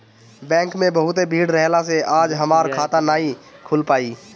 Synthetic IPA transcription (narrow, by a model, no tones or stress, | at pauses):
bɛ̃ːŋkmẽbəɦʊt̪ebʱiːɽɾɛɦlaseaːd͡ʒɦəmaːɾkʰaːt̪anaːɦĩkʰʊlpaːiː